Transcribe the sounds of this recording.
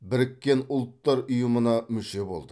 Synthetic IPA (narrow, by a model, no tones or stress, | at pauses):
bɪɾɪkʲːe̞nʊlˠt̪ːɑɾʊjəmənɑmʏʃe̞bo̞̰lˠd̪ə